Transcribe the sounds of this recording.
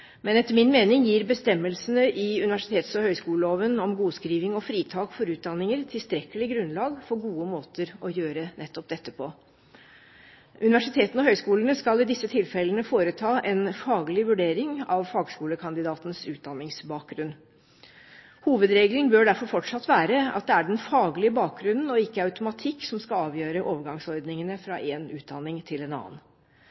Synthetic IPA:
mɛnɛt̪ːəɾmɪnmeːnɪŋjiːɾbəst̪ɛmːəlsənəʔɪʉnɪʋæʂɪ̥t̪ʰeːt̪sɔhœʏskuːləloːʋənɔmɡuːskɾiːʋɪŋɔfɾiːt̪ʰɑːkfɔɾʉːt̪̚d̪ɑnːɪŋəɾt̪ʰɪlst̪ɾɛkəlɪɡɾʉnlɑːɡfɔɡuːəmoːt̪əɾɔjøːɾənɛt̪ːɔp̚d̪ɛt̪ːəpʰɔ | ʔʉnɪʋæʂɪt̪ʰeːt̪nɔɦœʏskuːləɳəskɑlɪd̪ɪsːət̪ʰɪlfɛlənəfoːɾət̪ʰɑːʔɛnfɑːɡlɪʋʉɖeːɾɪŋɑʋfɑːɡskuːləkʰɑnd̪ɪd̪ɑːt̪nəsʉːt̪̚d̪ɑnːɪŋsbɑːk̚ɡɾʉnː | huːʋəd̪ɾeːɡlnbøːɖæɾfɔɾfɔʈʂɑt̪ːʋæːɾəɑ̰t̪̚d̪ɛæɖɛnfɑːɡlɪəbɑːk̚ɡɾʉnn̩ɔɪkːəɑʉt̪ʊmɑt̪ʰɪkːsɔmskɑɑːʋjøːɾəʔoːʋəɾɡɑŋsɔɾd̪nɪŋənəfɾɑ̰ʔeːnʉːt̪̚d̪ɑnɪŋt̪ʰɪlɛnɑ̰ːn

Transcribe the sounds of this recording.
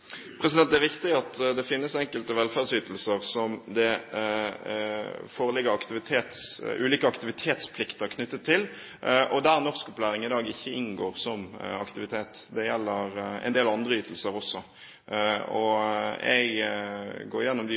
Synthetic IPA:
pʰɾɛs̬ɪd̪ɛnt̪æɾʋɪkt̪ɪɡɑt̪d̪ɛfɪnːəsɛŋkəlt̪əʋɛlfæʁsyːt̪əl̩səʁsɔmd̪ɛ | foːɾəlɪɡəɑkt̪ɪʋɪt̪ʰeːt̪sʉ̰ːliːkəɑkt̪ɪʋɪt̪ʰeːt̪spʰlɪkt̪əəɾkʰnʏt̪ːət̪ʰːɪl | ʔʔɔd̪æʁnɔʁskʊpʉlæːʁɪŋɪd̪ɑːɡɪçːəɪnɡoːʁsɔmɑkt̪ɪʋɪt̪ʰeːt̪d̪ɛjɛlːəɾɛ̰ɪnd̪eːlɑnd̪ʁəyːt̪əl̩səɾɔsːɔ | ɔ̰ɛ̰ɡ | ɡoːɾjɛnːɔmd̪ɪ

